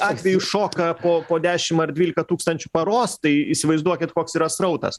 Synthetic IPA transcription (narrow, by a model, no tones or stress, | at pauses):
ɑːt̪ʲʋʲɛjʊʃoːkɐpoːpoːd̪ʲæːʃʲɪmɐrd̪ʲʋʲiːlʲɪkɐt̪uːkst̪ɐnʲt͡ʃʲʊpɐɾoːst̪ɐɪisʲɪʋɐɪzd̪uɔkʲɪt̪koːksiːɾɐsɾɐʊt̪ɐ̰s